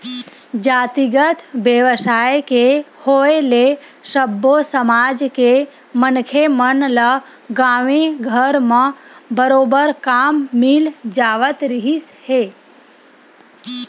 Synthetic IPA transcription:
d͡ʒaːt̪iɡət̪ʰʋjəʋsaːjkehoːele | ʃəbʱːosəmaːd͡ʒke | mənkʰemənlə | ɡaːʋeɡʱəɾmə̃bəɾoːbəɾkaːmːɪld͡ʒaːʋət̪ɾiɦishe

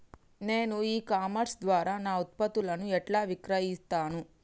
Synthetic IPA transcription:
ne̞ːnuiːkaːmɐɾsd̪ʋaːɾaːnaːut̪̚pɐt̪ulɐnuɛʈlaːʋikɾɐjist̪aːnu

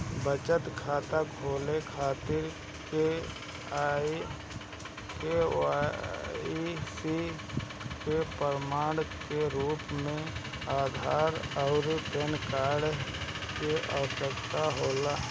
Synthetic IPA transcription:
bət͡ʃət̪kʰaːt̪akʰoːlekʰaːt̪ɪɾ | ke | aːi | kea | isi | kepəɾmaːɽ̃keɾuːpmẽ | aːd̪ʱaːɾɔːɾpenkaːɾɖ | keʔə̰ʋəʃəkt̪aɦoːlaː

